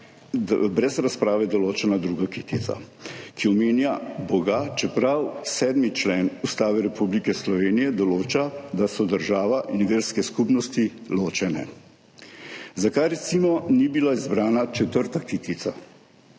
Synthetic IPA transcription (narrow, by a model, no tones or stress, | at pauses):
bɾɛzɾaspɾaːʋɛd̪ɔloːt͡ʃɛnad̪ɾuːɡakit̪it̪sa̰ | kiɔmeːnjabɔɡat͡ʃɛpɾawsɛːd̪mit͡ʃlɛːnust̪aːʋɛɾɛpublikɛslɔʋeːnijɛd̪ɔloːt͡ʃad̪asɔd̪əɾʒaːʋaʔinʋeːɾskɛskupnɔst̪iloːt͡ʃɛnɛ̰ | zakajɾɛt̪simɔnibilaizbɾaːnat͡ʃɛt̪əɾt̪akit̪it̪sa